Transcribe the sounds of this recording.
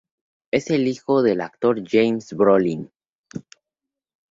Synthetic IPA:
ese̞lixo̞ðe̞lak̚t̪o̞ɾd͡ʒejmsbɾolin

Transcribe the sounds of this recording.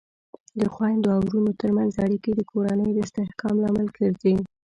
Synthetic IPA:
d̪əxwajnd̪oawɾunot̪əɾmanzaɽiked̪əkʰoɾanəjod̪əɪst̪ɪhkʰɑmlɑmɪlkʰəɾdi

